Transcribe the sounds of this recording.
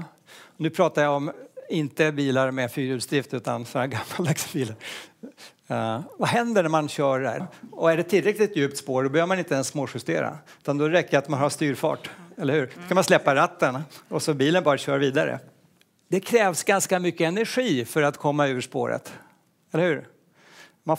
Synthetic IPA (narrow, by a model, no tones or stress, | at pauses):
ɔnʉ̟ːpʰɾɑːt̪ajaɔmɪnt̪əbiːlaɾmɛfyːɾʉːd̪st̪ɾɪft̪ʉ̟ːt̪ansɔaɡamːald̪aksbiːlaɾ | vaɦɛnd̪əɳæɾmanɕœːɖæ̰ɾɔæɖɛt̪ʰɪlːɾɛklɪt̪jʉːp̚t̪spoːɾɖɔbɛhøːvɾmanɪnt̪əɛnsːmoːɧʏst̪eːɾa̰ʉ̟ːt̪and̪ɔɾɛkːəɾat̪manhaʂt̪yːɾfɑ̰ːʈɛlːəɾhʉːɾd̪̥ɔkʰanmanslɛpːaɾat̪ːənɔsɔbiːlənbɑːɾaɕœːɾviːd̪aɾə̰ | d̪̥ɛkʰɾɛːvsɡanskamʏkːəɛnæɾɧiːfœɾat̪kʰɔmːaʉ̟ːʂpo̰ːɾə̰t̪ | ɛləɾhʉ̟ːɾ | ma